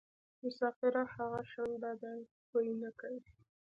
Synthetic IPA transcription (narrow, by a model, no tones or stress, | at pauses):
mʊsɑfɪɾahaɣaʃanb̪ad̪a | pojnakawi